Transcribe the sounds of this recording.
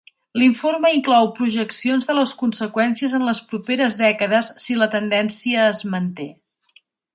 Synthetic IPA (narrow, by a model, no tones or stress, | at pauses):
liɱforməiŋklɔwpɾuʒəksionzðələskunsəkwɛnsiəzənləspɾupeɾəzðɛkəðəsːilət̪ənd̪ɛnsiəːzmənt̪e